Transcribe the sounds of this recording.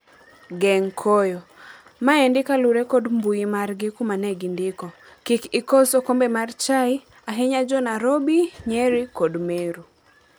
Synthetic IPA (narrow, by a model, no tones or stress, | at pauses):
ɡɛŋkʰɔjo | maɛndɪkaluɾekɔdmbuimarɡɪkumanɛɡɪndɪkɔ | kɪkɪkɔsɔkombɛmart͡ʃaɪ | aɦɛɲad͡ʒɔnaɾobiɲɛɾikɔdmeɾu